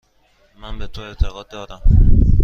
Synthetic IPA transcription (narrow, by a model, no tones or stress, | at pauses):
mænbet̪ʰoe̞ʔt̪ʰeɣɒːd̪̚ːɒːd̪æm